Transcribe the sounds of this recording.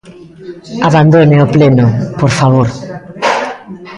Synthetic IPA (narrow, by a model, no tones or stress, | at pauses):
aβand̪oneoplenopoɾfaβ̞oɾ